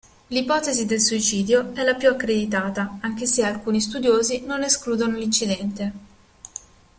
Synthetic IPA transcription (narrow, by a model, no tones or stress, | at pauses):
lipɔːt̪ezid̪elsuit͡ʃiːd̪joɛlapjuakːɾed̪it̪aːt̪aaŋk̟esealkuːnist̪ud̪joːzinoneskluːd̪onolint͡ʃːid̪ɛnt̪e